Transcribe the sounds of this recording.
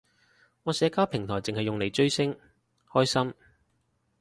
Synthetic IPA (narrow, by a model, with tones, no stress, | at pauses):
ŋɔː˨˧sɛː˨˥kaː˥wpʰɪ˨˩ŋt̪ʰɔː˨˩jt͡sɪ˨ŋhɐ˨jːʊ˨ŋle˨˩jt͡ʃɵ˥ɥsɪ˥ŋ | hɔː˥jsɐ˥m